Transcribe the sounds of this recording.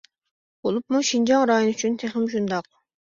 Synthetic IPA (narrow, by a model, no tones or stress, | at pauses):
b̥olˠupmuʃind͡ʒɑŋɾɑːjonyt͡ʃʰynt̪ʰeχɪmʃ̬und̪ɑq̚